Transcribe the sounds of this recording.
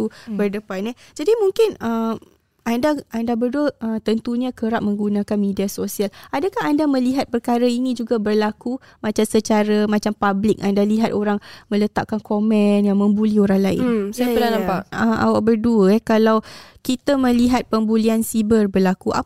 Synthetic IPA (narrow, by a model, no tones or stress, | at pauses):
ubərdəpanɛd͡ʒadimuŋkɪnəm | andaʔandabərduəʔəmt̪ənt̪uɲãkəɾap̚mə̃ŋɡunãkanmẽdiasosialadakahandamə̃liɦat̪̚pərkaɾainĩd͡ʒuɡabərlaku | mãt͡ʃamsət͡ʃaɾamãt͡ʃampablɪk̚ʔandaliɦat̪oɾaŋmə̃lət̪aʔ̚kankomɛnjaŋmə̃mbulioɾaŋlaɪ̰nsajənanamaʔəʔa̰waʔbərduəɛkalawkit̪amə̃liɦat̪̚pəmbuliansibərbərlakuʔa̰